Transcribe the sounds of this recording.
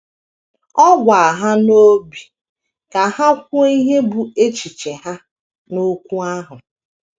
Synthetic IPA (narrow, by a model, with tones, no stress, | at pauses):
ɔ˦ɡʷa˨a˨ɦa˦no˦bi˨ | ka˨ha˦kʷʊ˦i˦ɦe˦bu˨e˦t͡ʃi˨t͡ʃe˨ɦa˦ | no˦kʷu˦a˦ɦʊ˨